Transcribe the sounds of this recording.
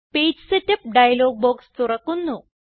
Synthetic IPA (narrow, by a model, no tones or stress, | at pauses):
peːd͡ʑsɨtːɐp̚ɖɐjɐloːɡ̚boːkst̪urɐkːunːu